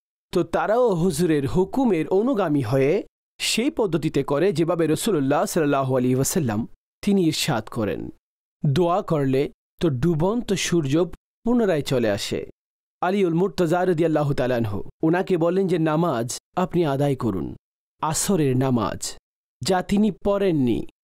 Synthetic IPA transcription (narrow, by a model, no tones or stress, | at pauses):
t̪ot̪aɾaoɦuzuɾeɾɦukumeɾonuɡamiɦɔje | ʃejpɔd̪ʱːot̪̬it̪ekɔɾed͡ʑebabeɾəsulolːasɐlːəlːaɦoɐliɦiʋɐsəlːa̰m | t̪iniiɾʃat̪kɔɾḛn | d̪oakɔɾle | t̪oɖubɔnt̪oʃuɾd͡ʑob | punoɾaet͡ɕolea̰ʃḛ | ɐliulmuɾt̪əzaɾəd̪ijalːaːɦut̪aːlaanɦo̰onakebɔlːend͡ʑenamad͡ʑapniad̪ajkoɾṵn | asoɾeɾnama̰d͡ʑ | d͡ʑat̪inipɔɾenːḭ